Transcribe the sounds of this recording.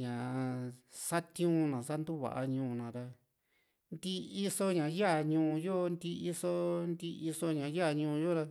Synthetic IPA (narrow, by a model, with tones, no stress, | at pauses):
ɲã˨˧sa˦t̪ũ˦nã˨sa˦nd̪u˦βa̰˨ʔa˧ɲũː˧nã˨ɾa˧ | nd̪i˦i˦so˦ɲã˨ja˦˨ɲũː˧˨˧jo˦nd̪i˧i˦so˦nd̪i˧˦ʔi˧so˧˦ɲã˨ja˦˨ɲũ˧jo˦ɾa˧